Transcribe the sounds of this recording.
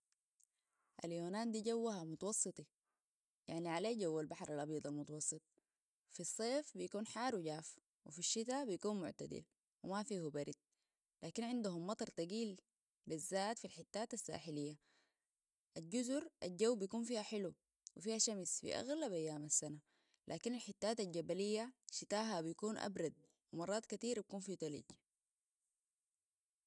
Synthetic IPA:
ʔa̰ljoːnaːnd̪iːɟawːahamut̪ɑwɑsˤːɨt̪ˤi | jaʕniʕaleːɟawːalbaħɾˤalʔɑbjɑd̪ˤɑlmut̪ɑwɑsˤːɨt̪̚ˤ | fisˤːeːfbijakuːnħaːɾwɟaːf | wifiʃːit̪abijakuːnmʊ̰ʕt̪a̰d̪ḭl | wimafiːhubaɾid̪̚ | laːkinʕɪnd̪uɦumːɑt̪ˤɑɾˤt̪aɡiːl | bizːaːt̪filħɪt̪ːaːt̪asːa̰ːħilijːa | ʔalɟuzuɾʔald͡ʒawːbijakuːnfiːhaħɪlu | wifiːhaʃamsfḭʔa̰ɣlabʔajːaːmasːana | lʔa̰ːkinalħɪt̪ːaːt̪ald͡ʒabalijːaʃit̪aːɦabijkuːnʔa̰bɾˤɑd̪̚ | wimɑrˤːɑːt̪kat̪iːɾbikuːnfiːt̪alḭɟ

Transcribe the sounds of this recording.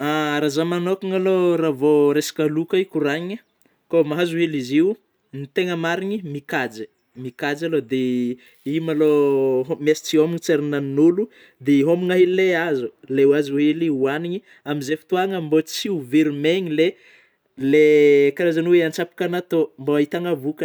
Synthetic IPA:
aɾazamanokuŋaloravoɾesḁkʲalukaikuɾaɲə | komaɦazuɦeliziu | nit̪eŋəmaɾiɲimikad͡zi̥ | mikad͡zalod̪e | iumaloɦmiasi̥t͡siomiŋit͡seɾinaninulu | d̪eɦomiŋaɦelleazulewazuɦeliuaniɲi | amizefi̥t̪uaŋambot͡siuviɾmeɲile | lekaɾazanuweant͡ʃapi̥kanat̪ombait̪aŋavukə

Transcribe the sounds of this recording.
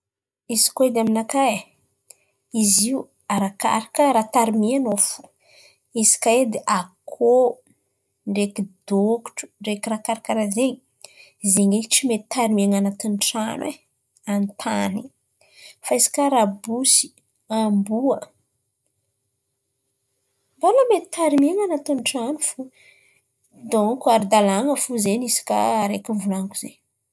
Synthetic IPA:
izi̥koed̪eaminakaj | iziu | aɾaka̰ɾakəɾat̪aɾimianofu̥ | izi̥kaed̪eʔakʰo | ɳɖ͡ʐekid̪oku̥ʈ͡ʂu̥ɳɖ͡ʐekiɾakaɾakaɾazeɲi | izeŋeʈ͡ʂimet̪aɾimiaŋanat̪inʈ͡ʂanḛ | ant̪ʰani | faisi̥kaɾabusi̥ | ambuə | mbalamet̪i̥t̪ʰaɾimeŋanat̪unʈ͡ʂanufu | d̪oŋkuaɾid̪alaŋəfuzenisi̥ka̰ːɾekivulaŋkuze

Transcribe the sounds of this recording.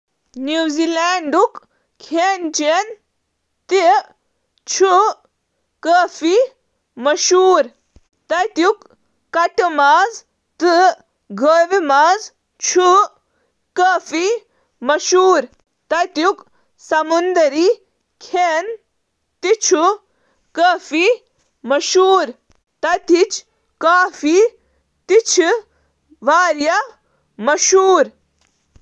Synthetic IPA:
njuːzilaːɳɖuk | kʰeːnt͡ʃen | t̪i | t͡ʃʰu | kːfi | mɐʃuːɾ | t̪ɐjt̪jukː | ɐʈmaːz | t̪ɨ | ɡʱəːʋimaːz | t͡ʃʰu | kəːfi | mɐʃuːɾ | t̪ɐt̪juk | sɐmund̪ɐɾiː | kʰeːn | t̪it͡ʃʰu | kɐːfi | mɐʃuːɾ | t̪ɐt̪it͡ʃ | kaːfi | t̪it͡ʃʰ | ʋaːɾjɐ | mɐʃuːɾ

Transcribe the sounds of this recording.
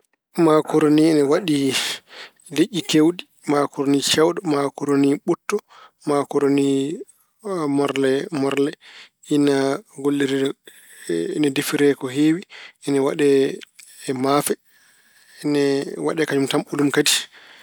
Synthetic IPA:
makɔɾoninɛwaɗi | leʔːikewɗi | makɔɾonit͡ʃawɗɔmakɔɾoniɓutːɔ | makɔɾoni | mɔɾlɛmɔɾlɛ | inaɡolːiɾiɾɛ | nadifiɾɛkɔɦewiɛnɛwaɗɛ | mafɛ | nɛwa̰ɗɛkad͡ʒumtamulumkadi̥

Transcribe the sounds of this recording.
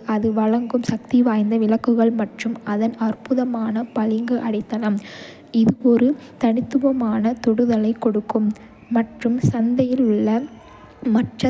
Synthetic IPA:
ɐðɯʋɐɻɐŋɡɯmsɐk̚t̪iʋaːjnd̪ɐʋɪlɐkːɯɣɐɭmɐʈrɯmɐðɐnɐrpʊðɐmaːnɐpɐlɪŋɡɯʔɐɽɪt̪ːɐnɐm | ɪðɯɔɾɯt̪ɐnɪt̪ːɯʋɐmaːnɐt̪ɔɽɯðɐlɐɪkːɔɽɯkːɯmː | ɐʈrɯmsɐnd̪ɐjɪlʊɭːɐ | mɐʈrɐ

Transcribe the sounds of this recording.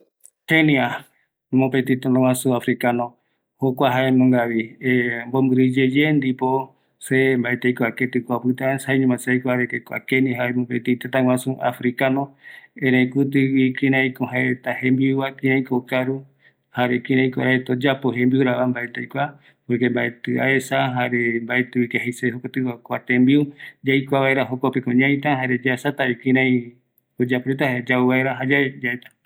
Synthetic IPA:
kenia | mõpet̪it̪enãw̃ʷãsuafɾikanõ | hokʷaɦaemõŋɡaβiembombɨɾɨd͡ʒed͡ʒend̪ipo | sembaet̪ejkʷaket̪ɨkʷapɨt̪asaiɲũmãsajkʷaɾekekʷa̰keniaɦaemõpet̪it̪et̪ãw̃ãsuʔa̰fɾikanõẽɾẽjkut̪̬ɨwikĩɾãĩkõɦaet̪ahẽmbiuwakĩɾ̃ẽĩkokaɾu | haɾekĩɾãĩkʷa̰ɾaet̪od͡ʒapoɦẽmbiuɾaβambaet̪ajkʷa | poɾkembaet̪ɨa̰esaɦaɾembaet̪ɨikehejseɦokot̪ɨakʷat̪embiud͡ʒajkʷaβaeɾaɦokopekõɲãj̃t̪aɦaɾe̞d͡ʒasat̪aikĩɾãĩ | od͡ʒapɾet̪ahd͡ʒauβaeɾaɦad͡ʒaed͡ʒaet̪ḁ

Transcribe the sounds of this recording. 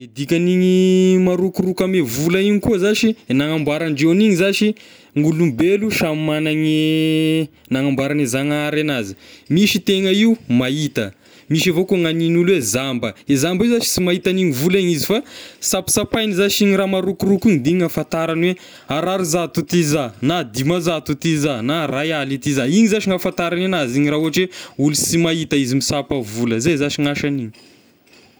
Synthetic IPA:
ed̪ikʲaniɲimaɾukurukəmevulaiɲikuzaʃinaŋambaɾanɖ͡ʐeniŋizaʃi | ŋulumbeluʃamimanaɲi | naŋambaɾanizaŋaɾanazi̥miʃit̪eŋəiumait̪ə̰ | miʃavokuŋaninulwezambəezambizat͡ʃi̥simait̪aniɲivulaɲizifasapi̥sapajnizaʃiɲiɾamaɾukurukunid̪iŋafant̪aɾanwe | aɾaɾizat̪ut̪izanad̪imazat̪ut̪izanarajalit̪izaiɲizaʃiŋafant̪aɾananaziɲiɾauaʈ͡ʂweulusimait̪əizimisapəvuləzezaʃiŋaʃaniɲi̥

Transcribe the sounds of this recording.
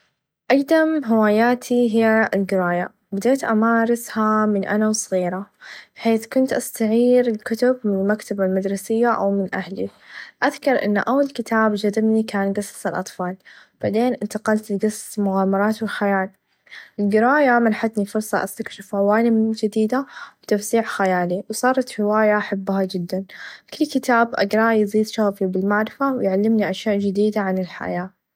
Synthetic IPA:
ʔɑɡd̪amɦɪwaːjaːt̪ʰiɦɪjːaɪlɡɪɾaːja | bɪd̪eːt̪ʔamaːɾˤɑshamɪnʔa̰nawsˤɣiːɾabħeːθkʊnt̪ʔast̪aʕiːɾɪlkʊt̪ʊbmɪnɪlmakt̪abalmad̪ɾˤɑsɪjːaʔa̰wmɪnʔahliʔaðkɑɾˤʔɪ̰nːʔawːalkɪt̪ʰaːbd͡ʒad̪ɪmnikaːnɡɑsːsɪlʔɑt̪ˤfɑːlb̥aʕd̪eːnʔɪnt̪aqɑlt̪lɡɑsˤːsmʊɣaːmɑɾˤɑːt̪wɪlxajaːl | ʔɪlɡɪɾˤɑːʔjamanħat̪nifʊɾsˤɑʔa̰st̪akʃɪfʕawaːlimd͡ʒɪd̪iːd̪awt̪afsiːʕxajaːliwsˤɑːɾˤɑt̪hɪwaːjaʔaħabːhad͡ʒɪd̪ːankʊlːkɪt̪aːbʔa̰ɡɾˤɑːʔjziːd̪ʃaɣfibɪlmaʕɾɪfawɪjʕalːɪmniʔaʃjaːʔd͡ʒɪd̪iːd̪aʕanɪlħa̰jaː

